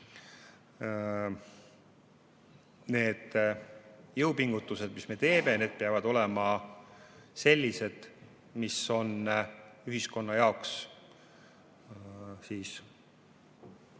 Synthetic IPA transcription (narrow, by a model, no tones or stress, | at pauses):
ne̞ːd̪̥ | jɤwpiŋɡut̪ːˑuse̞d̪̥misme̞t̪e̞ːme̞jne̞ːd̪̥̚peɑvɑd̪̥o̞lemɑ | se̞lʲːise̞d̪̥ | miso̞nyɦisko̞nːɑjɑoks | siːs